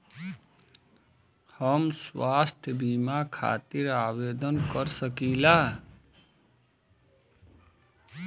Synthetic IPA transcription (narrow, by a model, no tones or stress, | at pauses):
həmswast̪ʰjəbimakʰa̰t̪iɾawed̪ənkəɾsəkila